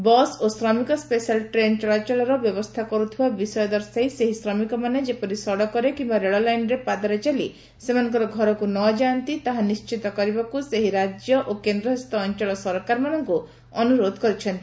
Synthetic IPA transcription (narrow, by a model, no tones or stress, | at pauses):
bɔsosɾɔmikɔspesalʈɾenʈɾat͡ʃɔɭɔɾɔbjɔbɔst̪ʰakɔɾut̪ʰibabisɔjɔd̪ɔɾsajseɦisɾɔmikɔmaned͡ʒepɔɾisɔɽɔkɔɾekimbaɾeɭɔlajnɾepad̪ɔɾet͡ʃalḭ | semanɔŋkɔɾɔɡʱɔɾɔkunɔd͡ʒant̪it̪aɦanist͡ʃit̪ɔkɔɾibakuseɦiɾad͡ʒjɔʔokend̪ɾɔɦɔst̪ɔːnt͡ʃɔɭɔsɔɾkaɾmanɔŋku | ɔnuɾod̪ʱɔkɔɾit͡ʃʰɔnt̪ii